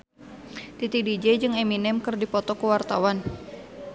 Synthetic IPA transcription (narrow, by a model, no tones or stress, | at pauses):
t̪it̪idid͡ʒɛd͡ʒɨŋeminɛmkɨrdipɔt̪ɔkuwart̪awan